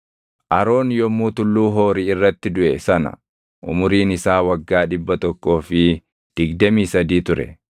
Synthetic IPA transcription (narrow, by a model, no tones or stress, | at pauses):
ʔɐɾo̞ːnjɔmːuːt̪ʊlːuːɦoːɾɪɪrːɐt̪ːɪd̪ʊʔɛsɐnɐ̰ | ʔʊmʊɾiːnɪsaːwɐɡːaːᶑɪbːɐt̪ɔkːo̞ːfɪ | d̪̥ɪɡd̪ɐmiːsɐd̪iːt̪ʊɾɛ̰